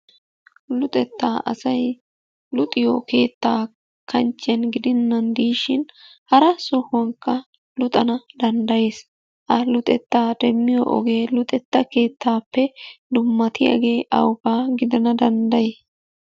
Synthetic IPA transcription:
lʊt̪ʼɛt̪ːaːʔɐ̰sɐj | lʊt̪ʼɪjoke̞ːt̪ːaː | kʰɐnt͡ʃːɪjɐnɡɪd̪ɪnːɐnd̪iːʃɪnhɐɾɐsɔhʊwɐŋkːɐ | lʊt̪ʼɐnɐd̪ɐnd̪ɐje̞ːs | ʔɐlʊt̪ʼɛt̪ːaːd̪ɛmːɪjɔ̰ʔɔ̰ɡe̞ːlʊt̪ʼɛt̪ːɐke̞ːt̪ʰːaːpːɛd̪ʊmːɐt̪ɪja̰ːɡe̞ːʔɐ̰wʊbaːɡɪd̪ɐnɐd̪ɐnd̪ɐjeː

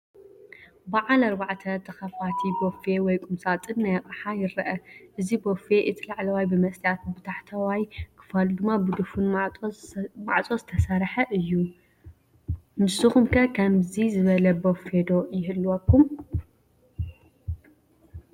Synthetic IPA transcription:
baʕalɐɾbaʕt̪ʰɐt̪ʰɐxɐfat̪ʰibofewɔjkʼumsat̪ʼɨnːajɐkʼaħajɪɾɐʔɐʔɨzibofe̞ʔɨt̪ʰilaʕlɐwajbɨmɐsʼjat̪̚bɨt̪ʰaħt̪ʰɐwajkʰɨ̥falud̪ɨmːabud̪ufun | maʕt͡sʼozɨt̪ʰɐsɐɾħɐʔɨjːu | mɨsɨxumkʰɐkʰɐmzizɨβɐlɐbofed̪o̞jɪhɨlːwɐkʰːum

